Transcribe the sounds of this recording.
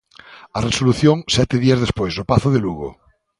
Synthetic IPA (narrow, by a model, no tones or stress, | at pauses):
aresoluθjoŋsɛt̪eðiazðespweznopaθoð̞eluɣo̰